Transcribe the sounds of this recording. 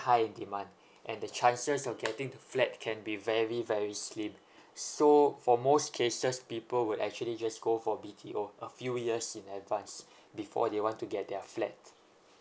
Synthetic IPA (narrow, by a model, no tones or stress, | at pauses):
haɪĩndimãnd | ʔɛ̃ndət͡ʃãnsəsɔfɡɛtɪ̃ŋdəflɛt̚kʰɛ̃nbivɛɹivɛɹislĩm | sofɔmoskʰesəspipəlwudɛ̰k̚t͡ʃuəlid͡ʒasɡofɔbitʰiʔoʔəfjujiəsĩnɛtvãns | bifɔ̰dewɔ̃ntuɡɛt̚dɛflɛ̰t̚